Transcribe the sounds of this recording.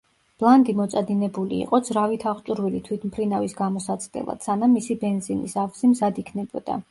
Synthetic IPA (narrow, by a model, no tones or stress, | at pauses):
b̥lˠand̪imɔt̪sʼad̪inɛbulḭːqʼɔzɾavit̪ʰaχt̪t͡ʃ̪ʼuɾvilit̪ʰwit̪ʰmpʰɾinavisɡamɔsat̪sʼʰd̪ɛ̰lˠa̰d̪̥sanamːisibɛnzinḭsavsimzad̪ikʰnɛbɔ̰d̪a̰